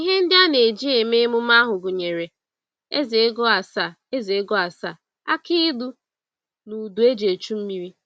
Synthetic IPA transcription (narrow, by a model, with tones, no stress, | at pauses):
i˦ɦe˦n̩˦dɪ˦a˦ne˨d͡ʒi˦e˨me˦mʊ˦m˦a˦ɦʊ˨ɡʊ˨ɲe˨ɾe˨ | e˦ze˨˦ɡɔ˦a˨sa˨ | e˦ze˨e˦ɡɔ˦a˨sa˦˨ | a̰˦ki˦du˦ | nu˨du˨e˦d͡ʒe˨t͡ʃu˦m̩˦mi˦ɾi˦